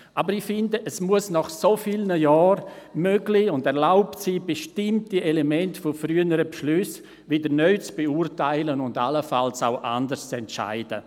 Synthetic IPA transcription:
ʔabəɾixfɪndəʔɛsmuəsnɔχsofilnəjaːɾmøɡliʊndɛʁlaʊptsiːbeʃtɪmtielemɛntfofryənəɾəpʃlʏs | vɪdəɾnœʏt͡sb̥eurtaɪlənʊndaləfalsaʊʔa̰ndəɾst͡sɛntʃa̰ɪd̥ə̰

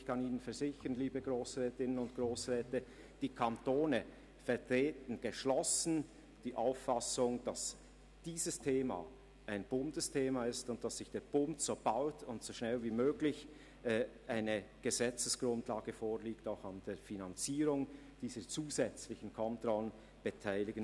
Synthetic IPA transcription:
ɪçkʰɑniːnənfɛɐzɪçənliːbəɡʁoːsʁɛːtɪnənʊntɡ̥ʁoːsʁɛːtə | d̥iːkʰantoːnə | fɛɐʁtʁ̥eːtn̩ɡ̥əʃlɔsn̩ | d̥iːʔaʊfːasʊŋd̥as | d̥iːzəstʰeːma̰ | ʔaɪnbʊndəstʰeːmaɪstʊnt̚d̥asːɪçd̥eːɐb̥ʊntsob̥aʊtʰʊntsoʃnɛlviːmøːɡlɪç | ʔaɪnəɡ̥əzɛt͡səsɡ̥ɾʊndlaːɡəfoːɐliːktaʊxand̥eːfinant͡siːɾʊŋ | d̥iːzət͡suːzɛt͡slɪçn̩kʰɔntrɔlən | b̥ətʰaɪlɪɡən

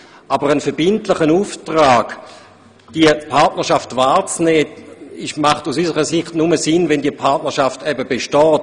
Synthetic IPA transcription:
ʔabəʁənfəɐbɪntlɪχənuːftʁaːɡ̥ | d̥iəpʰaʁtnəʁʃaftvaːʁt͡snɛːiʃmaχtusysəʁəsɪχtnuməsɪnvɛndiəpʰaɐtnəʃaftɛbəbeʃtɔːt

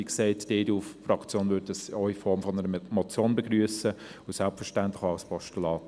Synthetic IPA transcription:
ikseɪtd̥eːduffrɑkt͡sjoːnʋʏɾdəsɔʏifɔɾmfɔnəɾəmɔt͡sjoːnbeɡryəsəʊsælpfəʃtænt̪lɪxaʊspɔʃtulɑːt

